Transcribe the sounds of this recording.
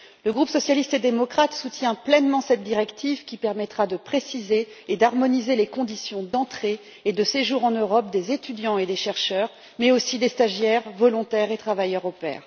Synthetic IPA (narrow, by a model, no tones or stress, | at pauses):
ləɡʁupsɔsjalist̪ed̪emɔkχat̪sut̪jɛ̃plɛnmɑ̃sɛt̪̚d̪iʁɛkt̪ʰivkʲipɛʁmɛt̪χad̪əpχesizeːd̪aʁmɔnizelekɔ̃d̪isjɔ̃d̪ɑ̃t̪χe | ed̪əseʒuʁɑ̃nøʁɔp̚d̪ezet̪yd̪jɑ̃ed̪eʃɛʁʃœːʁ | mɛosid̪est̪aʒjɛʁvɔlɔ̃t̪ɛʁet̪χavajœʁopɛ̰ːʁ